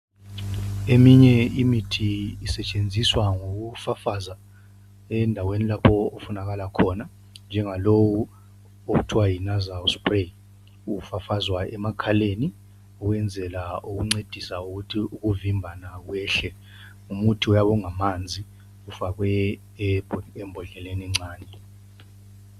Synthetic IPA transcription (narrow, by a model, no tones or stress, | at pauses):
emiɲɛimitʰiːsɛt͡ʃʼend͡zʱiswaŋok̬ufafaza | ɛndʱawenilapʰɔːfunak̬alakʰɔna | nd͡ʒʱɛŋalowu | ok̬utʰiwajinazawspʼre | ufafazwaɛmakʰaleni | uk̬wɛnd͡zʱɛlauk̬uŋ͡ǀed̥ʱisauk̬utʰiuk̬uvimbʱanak̬wɛːɬɛ | umutʰiɔjaɓɔŋamand͡zʱi | ufak̬wɛ | ɛmbʱɔɮɛlenɛŋ͡ǀaːnʱɛ